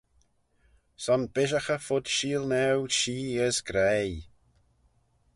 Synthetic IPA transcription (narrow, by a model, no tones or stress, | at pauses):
sɔnbɪʒaxəfʊd̪̥ʃiːlnɛwʃiːəzɡɾej